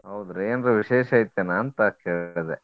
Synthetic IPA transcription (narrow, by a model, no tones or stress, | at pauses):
ɦɐwd̪ɾeeːnɾuʋiʃeːʃɐjit̪ːenaːnt̪ɐkeːɭd̪e